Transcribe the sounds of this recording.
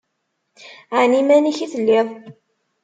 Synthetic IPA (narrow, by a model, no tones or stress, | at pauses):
ʕanimæniçiθəlːiðˤ